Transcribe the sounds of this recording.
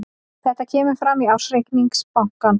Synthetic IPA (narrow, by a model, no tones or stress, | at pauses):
θɛht̪acʰɛːmʏɾfɾamːiawsɾejkniŋkspawŋ̥kan